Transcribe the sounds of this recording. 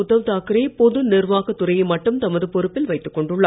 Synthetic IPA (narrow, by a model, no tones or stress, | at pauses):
ʊðɐʋt̪aːkɪɾeːpɔðɯnɪrʋaːɣɐt̪ːʊɾɐjɐmɐʈːɯmt̪ɐmɐðɯpɔɾɯpːɪlʋɐɪt̪ːɯkːɔɳɖɯɭːaː